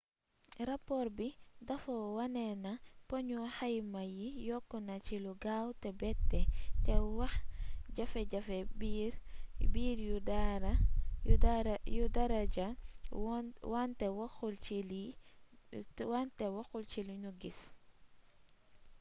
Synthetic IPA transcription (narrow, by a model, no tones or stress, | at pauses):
ɾapɔɾbidɐfɔwɐnɛnapɔɲuxajmajijɔkːɔnat͡ʃiluɡawtɛbɛtːɛtɛwaxɟafɛɟafɛbiɾbiːɾjudaɾa | judaɾad͡ʒa | wantɛwaxult͡ʃili | wantɛwaxult͡ʃiluɲuɡis